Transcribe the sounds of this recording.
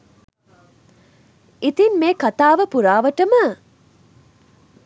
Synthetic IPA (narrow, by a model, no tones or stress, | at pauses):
it̪inmeːkɐt̪aːʋəpuɾaːʋɐʈəmə